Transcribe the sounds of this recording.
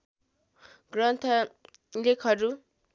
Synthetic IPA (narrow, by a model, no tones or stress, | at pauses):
ɡrʌnt̪ʰʌ | lekʰʌɾu